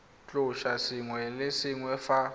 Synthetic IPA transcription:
t͡ɬʼʊʃasiŋwɛlɪsɪŋwɛfa

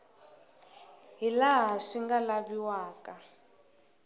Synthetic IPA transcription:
ɦilaɦaʂiŋɡalaβiwaːka

